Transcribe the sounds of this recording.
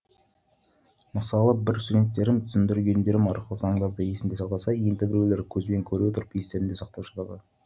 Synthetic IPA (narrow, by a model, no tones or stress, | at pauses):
məsɑlˠəbɪɾst̪ud̪ʲe̞t̪ːe̞ɾɪmt̪ʰʏ̥sɪnd̪ɪɾɡʲe̞nd̪e̞ɾɪmɑɾqəlˠəzɑɴd̪ɑɾd̪əje̞sɪmnd̪esɑqt̪ɑsɑend̪ɪbɪɾweleɾkʲʰɵzbe̞ŋkʲʰɵɾuet̪ʰʊɾəpjest̪e̞ɾɪnd̪e̞sɑq̚t̪ɑpʃɑt̪ɑd̪ə